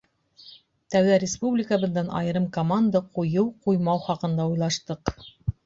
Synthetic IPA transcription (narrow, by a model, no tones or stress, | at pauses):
t̪æwðæɾʲɪspublʲɪkəbɤ̆ðːɑnʔɑ̰jɤ̆ɾɤmkomand̪əqujɤwqujmɑwχɑqɤ̆nd̪ɑujlˠɑʃt̪ɤq